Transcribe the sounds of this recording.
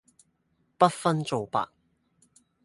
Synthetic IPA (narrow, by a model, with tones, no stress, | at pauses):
pɐ˥t̚fɐ˥nt͡so˨˧wpa̰ː˨k̚